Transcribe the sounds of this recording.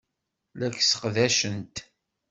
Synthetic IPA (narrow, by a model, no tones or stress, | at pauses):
lækːsə̥qðæʃənt̪